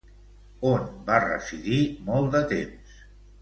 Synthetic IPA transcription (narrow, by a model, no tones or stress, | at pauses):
onbarə̰siðimɔlˠd̪ət̪ems